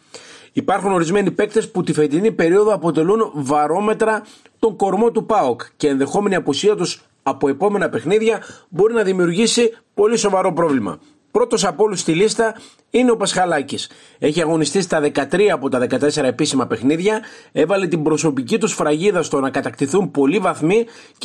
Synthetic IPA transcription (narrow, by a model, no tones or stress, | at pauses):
ipɐɾxuno̞ɾizme̞nipe̞k̚t̪e̞sput̪ifet̪inipe̞ɾio̞ðo̞ɐpo̞t̪e̞lunvɐɾo̞me̞t̪ɾɐ | t̪o̞ŋko̞ɾmo̞t̪upɐokceenðe̞xo̞me̞niɐpusiɐt̪us | ɐpo̞e̞po̞me̞nɐpe̞xniðʝɐbo̞ɾinɐðimiuɾʝisipo̞liso̞vɐɾo̞pɾo̞vlimɐ̰ | pɾo̞t̪o̞sɐpo̞lust̪ilist̪ɐ | ine̞o̞pɐsxɐlɐcis | e̞çiɐɣo̞nist̪ist̪ɐðe̞kɐt̪ɾiɐːpo̞t̪ɐðe̞kɐt̪e̞se̞ɾɐe̞pisimɐpe̞xniðʝɐe̞vɐle̞t̪imbɾo̞so̞picit̪usfɾɐʝiðɐst̪o̞nɐkɐt̪ɐkt̪iθumpo̞livɐθmi